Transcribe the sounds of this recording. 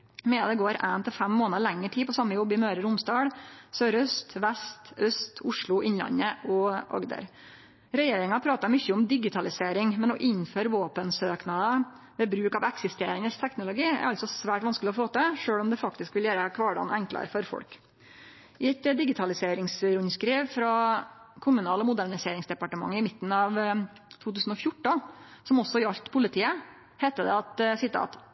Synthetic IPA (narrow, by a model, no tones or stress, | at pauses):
mɛɑd̪ɛɡoːɾʔænt̪ʰɪlfɛmːoːnəɾɭæŋːəʈʰiːpɔsɑmːəjɔbːɪmøːɾəɾʊmsd̪ɑːɽsøːɾœst̪ʋɛst̪œst̪ʊʂɭʊʔɪnlɑ̰nːəɔʔɑ̰ɡd̪ə̰ɾ | ɾɛjeːɾɪŋɑpʰɾɑːt̪ɑɾmʏçːəʊmd̪ɪɡɪt̪ʰɑlɪseːɾɪŋmɛnɔʔɪɲføːɾʋoːpənsøːknɑd̪ə | ʋɛːbɾʉːkɑʋɛksɪst̪eːɾɪŋəst̪ʰɛknʊlʊɡiːɛ̰ɾɑlt̪sɔsʋæːʈʋɑnskəlɪɔfoːt̪ɛʂøːlɔmd̪ɛfɑk̚t̪ɪskʋɪljæːɾəkʰʋɑːɖɑ̰nɛŋklɑ̰ɾfɔɾfɔ̰ɽk | ʔɪɛt̪d̪ɪɡɪt̪ʰɑlɪseːɾɪŋsɾʉnskɾiːʋfɾɑkʰʊmʉnɑːlɔmʊd̪æɳɪseːɾɪŋsd̪ɛpɑʈəmɑ̰ŋːɪmɪt̪ːn̩ɑːʋ | t̪ʰuːt̪ʉːsn̩ɔfjʊʈːəsɔmɔsːɔɾɑʎt̪pʰʊlɪt̪ʰiːə | hɛːt̪əd̪ɛ̰ɑt̪sɪt̪ʰɑ̰ːt̪